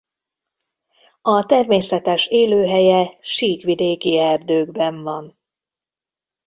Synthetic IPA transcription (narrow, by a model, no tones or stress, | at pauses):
ɒt̪ɛrmeːsɛt̪ɛʃeːløːɦɛjɛʃiːkʋid̪eːkiɛrd̪øːɡbɛɱvɒn